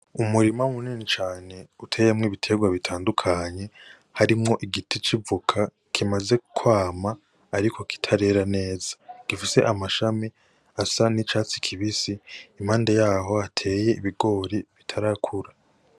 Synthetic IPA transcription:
umuɾimaumuninit͡ʃaːne̞utʰe̞ːjemŋiːβitʰe̞ɡwaβitʰaːndukʰaɲe̞ | haɾimŋo̞ʔiɡitit͡ʃivukʰa | kʰimaze̞kʰwaːmaː | ɾikʰo̞ki̥tʰaɾe̞ɾane̞ːzaɡ̥ifise̞̰ʔamaʃami | asanit͡ʃaːt͡si̥kʰiβisiːm̥haːndejaːɦo̞atʰe̞ːje̞iβiɡo̞ːɾiβitʰaɾakʰuɾa

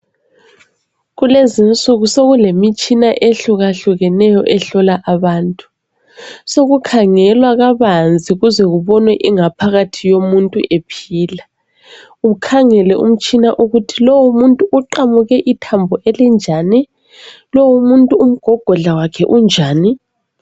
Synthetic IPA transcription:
ɣulezint͡sʼuɣusoɣulemit͡ʃʼinaʔeɬuɣaɬuɣɛnɛjɔʔɛɬɔlaʔaβaːntʼu̥ | soɣukʰaŋɛlwaɣaβand͡zʱiɣuzɛɣuβɔnwɛʔiŋapʰaɣatʰijomuntʼṵʔepʰiːla | ukʰaŋɛlɛʔṵm̩t͡ʃʼinaʔuɣutʰilowumuntʼuʔːǃamuɣɛʔitʰambʱɔʔɛlɛnd͡ʒʱaːni | lowumuntʼuːm̩ɡ̥ʱɔɡ̥ʱɔɮawakʰɛ̰ʔund͡ʒʱaːni

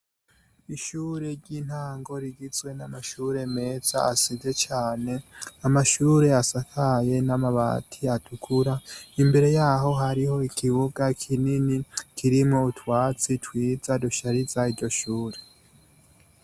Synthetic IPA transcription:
iʃuːɾe̞ɾɟiːn̥haːŋɡo̞ɾiɡizwe̞namaʃuːɾe̞me̞z̥a̰asibze̞t͡ʃaːne̞amaʃuːɾe̞asakʰaje̞namaβa̰tʰiatʰukʰuɾaimbe̞ɾe̞jaːɦo̞ɦaɾiho̞ikʰiβuɡakʰininikʰiɾimŋoutwaːt͡sitwiːzaduʃaɾizaiɾɟo̞ʃuːɾe̞

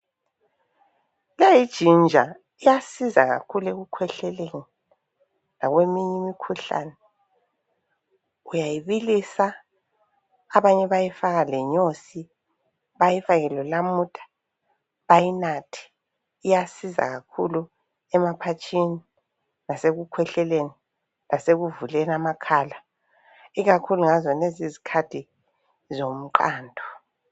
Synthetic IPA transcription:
lajid̥ʒ̥ʱind͡ʒʱa̰ | ijasiza̰ɣa̰kʰuleɣukʰwɛɬɛleŋi | laɣwemiɲɛmikʰuɬa̰nɛ | ujajiβilisa | βaɲɛβajifaɣalɛɲosi | βajifaɣɛlɔlamutʼḁ | βajinatʰi̥ː | jasiza̰ɣakʰulu | ɛmapʰat͡ʃʰʼini | naseɣukʰwɛɬɛleni | laseɣuvulɛnamakʰala | iɣakʰuluŋazɔnezizikʰatʰi | zom̩ǃaːndʱɔ

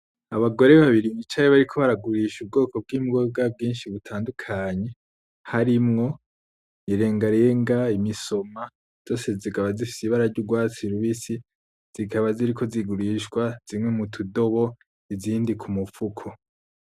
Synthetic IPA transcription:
aβaɡo̞ɾe̞βaβiɾimit͡ʃajiβaɾikʰo̞βaɾaɡuɾiːʃub̚ɡo̞ːko̞b̚ɡiːmuɡobɡab̚ɡiːnʃiβutʰaːndukʰaɲe̞ | haɾimŋo̞ | iɾe̞ːŋɡaɾeeŋɡaimiso̞ma | z̥o̞ːse̞zikaβazifi̥siβaɾaɾɟuɡwaːt͡siɾuβisi | z̥ikʰaβaziɾikʰo̞ziɡuɾiːʃɡwaz̥imŋe̞mutʰudo̞βo̞ | iziːndikʰumufukʰo̞

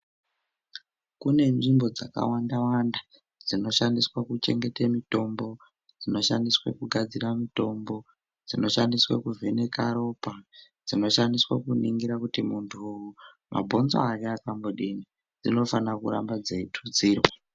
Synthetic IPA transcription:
kune̞nʐimbo̞d͡zaka̰wandawanda | d͡zino̞ʃandiswakut͡ʃe̞̰ŋɡe̞temito̞mbo̞ | d͡zino̞ʃandiswḛkuɡʱad͡ziramito̞mbo̞ | d͡zino̞ʃandiswa̰kuvʱene̞kaɾo̞pad͡zino̞ʃandiswakuniŋɡiɾakutimuntʰuuju | mʔa̰bʱo̞nzo̰ariakamboɗini | d͡zino̞fanakura̰mbad͡zeitʰud͡ziːrwa

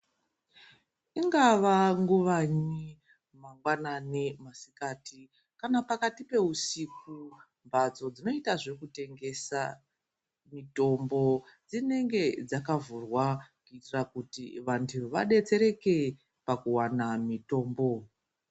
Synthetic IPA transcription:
iŋɡaʋaŋɡuʋaɲi | maŋɡwananemasikaːti | kanapakatipe̞usiku | mbad͡zo̞d͡zino̞itaʐe̞kute̞ŋɡe̞sa | mito̞mbo̞d͡zine̞ŋɡe̞d͡zakavurwakuitirakutiʋantʰuʋa̰ɗe̞t͡se̞ɾe̞ke | pakuwanamito̞ːmbo̞

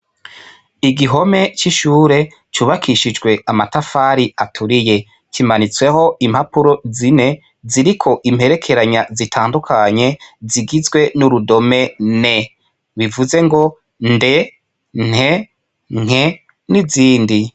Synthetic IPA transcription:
iɡiɦo̞me̞t͡ʃiʃuːɾe̞ | t͡ʃuβakʰiʃid͡ʒɡwe̞amatafaːɾiʔatʰuɾije̞ | kʰimanit͡swe̞ho̞imhapuɾo̞zine̞ | ziɾikʰo̞ʔimhe̞ɾe̞kʰe̞ɾaɲazitʰaːndukʰaɲe̞ziɡizɡwe̞nuɾudo̞me̞ne̞ | βivuze̞ŋɡo̞ | nde̞ | n̥he̞ | ŋ̥e̞ | niziːndi

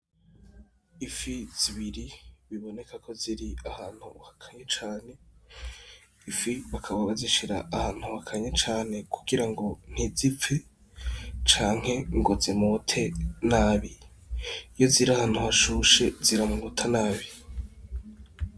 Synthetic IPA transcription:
ifiz̥iβiɾiβiβo̞ne̞kʰakʰo̞ziɾiahaːn̥hṵhakʰaɲet͡ʃaːne̞ | ifiβakʰaβaβaziʃiɾaʔːhaːn̥huhakʰaɲet͡ʃaːne̞kʰuɡiɾaŋɡo̞n̥hizipp͡fe | t͡ʃaːŋ̥he̞ŋɡozimutʰe̞naːβi | jo̞ziɾahaːn̥huhaʃuʃe̞ziɾamuŋutʰanaːβi

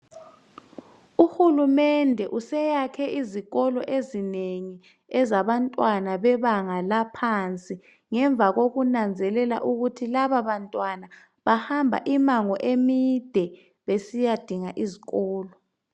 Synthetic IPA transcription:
uxulumɛndʱɛʔusɛjakʰɛʔiziɣɔlɔʔezineŋi | ɛzaβantʼwanaβɛβaŋalapʰant͡sʼi | ŋɛɱb̪vʱaɣoɣunand͡zʱɛlɛla̰ʔuɣutʰilaβaβantʼwana | βahambʱa̰ʔimaŋɔʔemid̥ʱɛ | βesijad̥ʱiŋaʔiziɣɔːlɔ

